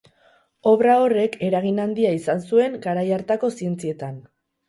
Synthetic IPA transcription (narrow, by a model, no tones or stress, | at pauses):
o̞βɾao̞re̞ke̞ɾaɣ̞inand̪iaisansue̞ŋɡaɾajaɾt̪ako̞sie̞nt͡sie̞t̪an